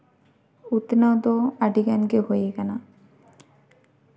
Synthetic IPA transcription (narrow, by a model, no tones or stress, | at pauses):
ut̪nawd̪oaɖiɡanɡeɦojeɡana